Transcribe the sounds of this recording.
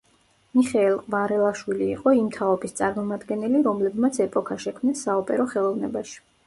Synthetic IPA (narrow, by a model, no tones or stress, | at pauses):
miχɛɛlˠqʼvaɾɛlˠaʃwiliːqʼɔimt̪ʰaɔbist̪sʼaɾmɔmad̪ɡɛnɛliɾɔmlɛbmat̪sʰɛpʼɔkʰaʃɛkʰmnɛsːaɔpʼɛɾɔχɛlˠɔvnɛbaʃi̥